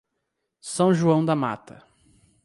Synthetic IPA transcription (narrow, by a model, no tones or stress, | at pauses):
sɐ̃w̃ʒuɐ̃w̃d̪ɐma̰t̪ɐ